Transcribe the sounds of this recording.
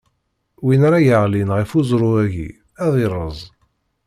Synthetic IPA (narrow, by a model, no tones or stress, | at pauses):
winaɾajəʕlinʁifuzˤɾˤʊæʝḭ | æðˤirˤːəzˤ